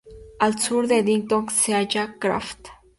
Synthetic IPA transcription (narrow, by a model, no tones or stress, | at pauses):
alsuɾd̪ed̪iŋt̪oŋksead͡ʒakɾa̰ft̪